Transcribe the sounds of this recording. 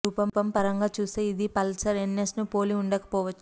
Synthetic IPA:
uːpɐmpɐmpɐɾɐŋɡaːt͡ʃuːst̪eːid̪ipɐlsɐɾenːesnupoːliuɳɖɐkɐ̥pɔːʋɐt͡ʃːu̥

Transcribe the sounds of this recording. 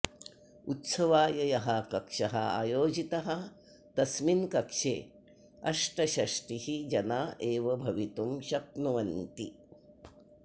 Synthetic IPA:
ut̪sɐʋaːjɐjɐɦɐkɐkʂɐɦɐa̰ːjoːd͡ʒit̪ɐɦɐ | t̪ɐsminkɐkʂḛː | ɐ̰ʂʈɐʃɐʂʈihid͡ʒɐnaːʔeːʋɐbʱɐʋit̪umʃɐp̚nuʋɐnt̪i

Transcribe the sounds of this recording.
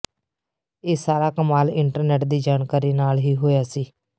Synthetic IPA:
eːsaːɾaːkəmaːlɪɳʈəɾneːʈd̪iːd͡ʒaːnkaːɾiːnaːlɦiːɦoːjaːsiː

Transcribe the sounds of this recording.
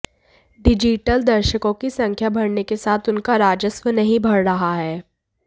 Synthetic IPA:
ɖɪd͡ʒiʈəld̪ɐɾʃəkõkisɐ̃ŋkʰjabʱɐɽnekesaːt̪ʰʊnkaɾaːd͡ʒəswənɐɦĩbʱɐɽɾɐɦaɦɛː

